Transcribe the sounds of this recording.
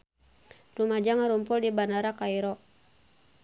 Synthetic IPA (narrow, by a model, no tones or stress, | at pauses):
rumad͡ʒaŋaɾumpʊldibanaɾakaiɾɔ